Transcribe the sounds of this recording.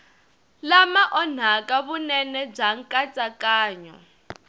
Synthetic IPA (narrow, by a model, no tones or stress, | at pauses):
lamaʔɔn̤akʼaβunɛnɛb͡ʐaŋ̩kʼat͡sʼakʼaːɲɔ̰